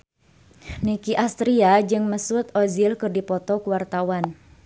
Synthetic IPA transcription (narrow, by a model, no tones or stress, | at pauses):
nikiʔast̪ɾiad͡ʒɨŋməsut̪ɔzilkɨrdipɔt̪ɔkuwart̪awan